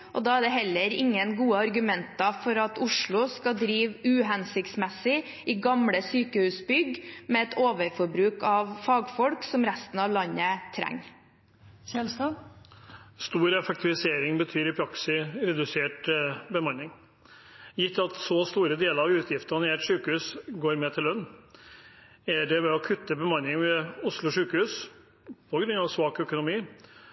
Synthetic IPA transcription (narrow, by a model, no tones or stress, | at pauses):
ʔɔd̪ɑːæɖ̪ɛɦɛlːəɾɪŋːənɡuːəɑɾɡʉmɛnt̪ɑfɔɾɑt̪ʊʂɭʊskɑd̪ɾiːʋʉːɦɛnsɪkt̪smɛsɪ | ɪɡɑmɽəsyːkəhʉːsbʏɡmeɛt̪ʰoːʋəɾfɔɾbɾʉːkɑʋfɑːɡfɔɽksɔmɾæst̪n̩ɑːʋlɑnːət̪ʰɾæ̰ŋː | sɛlsɑ | st̪uːɾɛfɛk̚t̪ʰɪʋɪseːɾɪŋbət̪ʰyːɾɪpʰɾɑksɪɾɛd̪ʉseːʈbəmɑnːɪŋ | jɪt̪ːɑt̪sɔst̪uːɾəd̪eːləɾɑʋʉːt̪ʰjɪft̪əɑnɪeːʈʂʉːkəhʉːsɡoːɾmɛt̪ʰɪlːœnː | æɖɛʋɛɔkʰʉt̪ːəbəmɑnːɪŋmɛʊslʊʂʉːkəhʉːs | pʰɔɡɾʉnːɑʋsʋɑːkœkʊnʊmiː